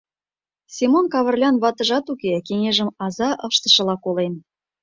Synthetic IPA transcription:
sʲimonkɑβə̆rlʲɑnβɑt̪ə̆ʒɑt̪ukekeŋeʒə̆mɑzɑʔəʃt̪ə̆ʃɤ̆lɑkolen

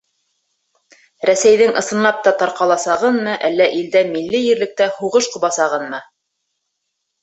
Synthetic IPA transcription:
ɾæsæjðɘŋʔɤ̆sɤ̆nːɑp̚t̪ɑt̪ɑɾqɑlˠɑsɑʁɤnmɤʔælːæʔild̪æmilːɘjɘ̆ɾlɘ̆k̚t̪æhuʁɤʃqŏβɑsɑʁɤnmɤ

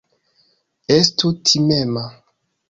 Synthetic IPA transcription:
estutʰimema

